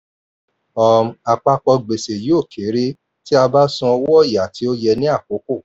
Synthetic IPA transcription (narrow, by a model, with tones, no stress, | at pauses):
ɔ˨m̩̃˨a˧k͡pa˧k͡pɔ˧ɡ͡be˨se˨jo˦˨kʰe˨˦ɾe˦ | ti˦a˧ba˦sũ˧ɔ˧wɔ˦ɔ˦˨ja˨tʰi˨˦o˦jɛ˧nĩ˦a˦˨ko˨˦ko˦˨